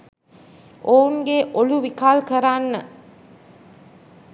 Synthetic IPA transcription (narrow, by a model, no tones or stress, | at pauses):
ʔouŋɡeʔoluʋikaːlkɐɾaːnːə